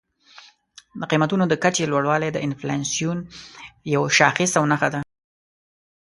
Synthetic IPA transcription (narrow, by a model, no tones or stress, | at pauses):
d̪əqimat̪unod̪əkat͡ʃelwaɽwɑled̪əʔɪnflɑnsijunjawʃɑxɪsawnaxad̪a